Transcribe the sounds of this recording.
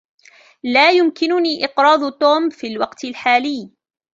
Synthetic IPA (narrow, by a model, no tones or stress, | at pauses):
laːjʊmkɪnʊniːʔɪqɾˤɑːd̪t̪ˤoːmfiːlwɑqt̪ɪlħaːlɪː